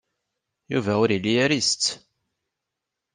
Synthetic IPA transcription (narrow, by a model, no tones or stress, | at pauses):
jṵvæʊɾilːiæɾist̪